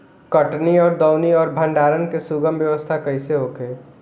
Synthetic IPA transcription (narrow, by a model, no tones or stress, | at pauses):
kəʈniɔːɾd̪ɔʊniɔːɾbʱə̃ɳɖaːɾənkesuɡəmbjəʋəst̪ʰakəɪseɦokeː